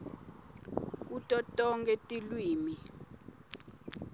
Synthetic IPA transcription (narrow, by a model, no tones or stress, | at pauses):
k̬utʼɔtʼɔŋkʼɛtʼilwiːmi